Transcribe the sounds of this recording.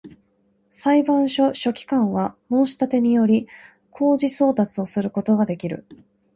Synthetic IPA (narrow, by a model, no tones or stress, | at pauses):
saibãɰ̃ɕo̞ɕo̞kʲi̥kãɰ̃βamo̞ːɕi̥t̪at̪e̞ɲ̟ijo̞ɾʲi | kʰo̞ːʑiso̞ːt̪at͡sɨo̞sɨɾɯ̟ko̞t̪o̞ɡad̪e̞kʲiɾɯ̟̰